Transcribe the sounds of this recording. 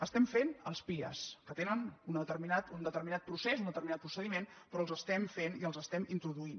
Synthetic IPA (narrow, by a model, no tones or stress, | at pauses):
əst̪ɛmfenəlˠspiə̰skət̪enənunət̪əɾminat̪und̪ət̪əɾminat̪̚pɾusezund̪ət̪əɾminat̪̚pɾusəðimenpɾɔəlˠzəst̪ɛmfeniəlˠzəst̪ɛmint̪ɾuðuin